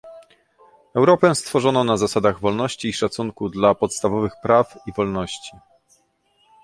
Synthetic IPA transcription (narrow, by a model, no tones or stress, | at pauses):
ɛwɾɔpɛst̪fɔʐɔnɔnazasad̪aɣvɔlnɔɕt͡ɕiːʂat̪suŋkud̪lapɔt̪st̪avɔvɘxpɾafivɔlnɔɕt͡ɕi